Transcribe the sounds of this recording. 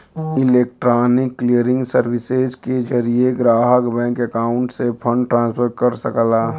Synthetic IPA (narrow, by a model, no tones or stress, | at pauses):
ɪleːk̚ʈɾaːnɪkːlijəɾɪ̃ŋɡsəɾwɪsezked͡ʒəɾijeɡɾaːɦəkbɛ̃ːŋkəkaːʊ̃ɳʈsepʰə̃ɳɖʈɾãːnspʰəɾkəɾsəklaː